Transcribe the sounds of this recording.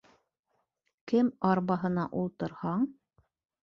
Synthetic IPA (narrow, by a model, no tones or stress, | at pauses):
kɘmɑɾβɑɦɤ̆nɑʔulˠt̪ɤ̆ɾhɑɴ